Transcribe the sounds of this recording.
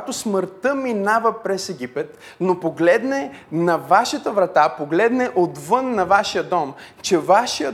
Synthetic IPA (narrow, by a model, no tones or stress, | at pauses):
t̪osməɾt̪əminavəpɾɛsɛɡʲipɛt̪ | nopoɡlɛd̪nɛnɐvaʃɐt̪əvɾɐt̪apoɡlɛd̪nɛʔot̪vɤnːɐvaʃijəd̪ɔmt͡ʃɛvaʃijə